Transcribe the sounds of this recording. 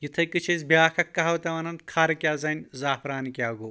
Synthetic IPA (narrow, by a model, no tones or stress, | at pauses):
jit̪ʰɐjkɨt͡ʃʰɐzbjaːkʰɐkːɐɦɐwt̪ɐʋɐnɐnkʰaːɾɐkʲaːzɐnʲzaːfɾaːnikʲjaːɡuː